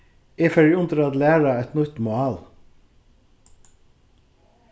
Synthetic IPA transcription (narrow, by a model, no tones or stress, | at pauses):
eːfœɹjʊnt̪ɾɑd̪læːɹɑɛt̪nʉt̪mʊɑːl